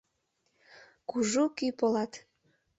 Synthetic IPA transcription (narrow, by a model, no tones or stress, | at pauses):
kuʒukypolɑt̪